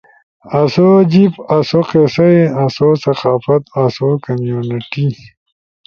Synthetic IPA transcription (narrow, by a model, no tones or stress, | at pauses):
ɐsod͡ʑipɐsoqesɐjɐsosɐqaːfɐt̪ɐsokɐmjuːniʈi